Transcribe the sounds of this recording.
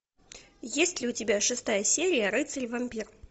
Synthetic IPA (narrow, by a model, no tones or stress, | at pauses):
jesʲtʲlʲɪʊtʲɪbʲaʂɨst̪ajəsʲeɾʲɪjəɾɨt̪sɨlʲvɐmʲpʲir